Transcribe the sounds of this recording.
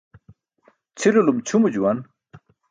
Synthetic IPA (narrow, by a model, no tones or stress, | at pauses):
t͡sʰilulumt͡ɕʰumud͡ʑuwan